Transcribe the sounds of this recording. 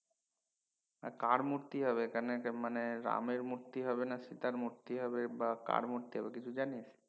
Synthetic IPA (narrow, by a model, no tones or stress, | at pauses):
a̰kaɾmuɾt̪iɦəʋekənekeməneɾa̰miɾmuɾt̪iɦəʋenasit̪aɾmuɾt̪iɦəʋebaka̰ɽmuɾt̪iɦəʋekit͡ʃʰud͡ʒaniet͡ʃʰe̥